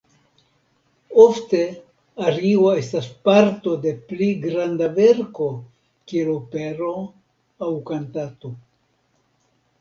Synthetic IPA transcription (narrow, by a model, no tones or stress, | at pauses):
ofte̞ | aɾio̞e̞staspaɾto̞de̞pliɡɾandave̞ɾko̞ | kielopeɾo̞ | awkantato̞